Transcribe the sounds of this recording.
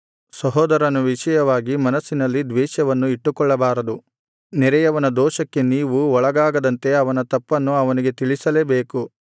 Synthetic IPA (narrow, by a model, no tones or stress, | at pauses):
sɐɦɔːd̪ɐɾɐnuʋiʃɐjɐʋaːɡimɐnɐsːinɐlːid̪ʋɛːʃjɐʋɐnːuiʈːukɔɭːɐbaːɾɐd̪u | nɛɾɛjɐʋɐnɐd̪ɔːʃɐkːe̞niːʋuɔɭɐɡaːɡɐd̪ɐnt̪e̞ɐʋɐnɐt̪ɐpːɐnːuɐʋɐniɡe̞t̪iɭisɐleːbeːku